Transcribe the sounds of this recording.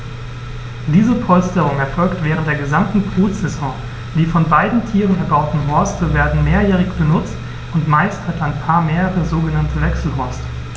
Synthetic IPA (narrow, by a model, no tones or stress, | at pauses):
d̥iːzəpʰɔlstəʁ̞ʊŋɛɐfɔlktv̥ɛːʁ̞əntd̥eːɐɡəzamtn̩fʁuːsz̥ɛzɔ̃ː | d̥iːfɔnbaɪdn̩tʰiːʁənɛɐbaʊtn̩ɦɔɐstəveːɐdn̩meːɐjɛːʁɪçb̥ənʊt͡st | ʊntmaɪsthataɪnpʰaːɐmeːʁəʁəzoːɡənantʰəvɛksl̩ɦɔɐstə